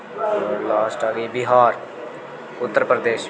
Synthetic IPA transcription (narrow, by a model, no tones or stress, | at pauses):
olaːsʈaːɾiːbɪɦaːɾ | ʊt̪ːəɾpɾəd̪eːʃ